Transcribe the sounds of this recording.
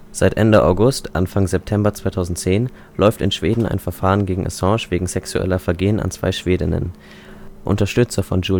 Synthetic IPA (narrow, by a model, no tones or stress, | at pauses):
z̥aɪtʔɛndəʔa̰ʊɡʊstʔa̰nfaŋzɛp̚tʰɛmbɐt͡sv̥aɪtʰaʊzn̩tt͡seːn | lɔʏftɪ̰nʃv̥eːdn̩a̰ɪnfɛɐfaːʁənɡeːɡŋ̩ʔa̰sɑ̃ʃv̥eːɡŋ̩z̥ɛksuʔɛ̰lɐfɛɐɡeːəna̰nt͡sv̥a̰ɪʃv̥eːdɪ̰nə̰n | ʔʊ̰ntɐʃtʏt͡sɐfɔnd͡ʒuː